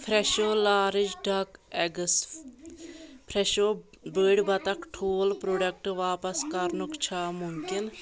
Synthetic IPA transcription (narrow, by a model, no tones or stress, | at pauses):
pʰɾɛʃoːlaːɾɪd͡ʒɖɐkɛɡs | pʰɾɛʃoː | beːɖbɐt̪ɐkʈʰoːlpɾoːɖɐk̚ʈʋaːpɐskɐɾnʊkt͡ʃʰaːmʊmkɪn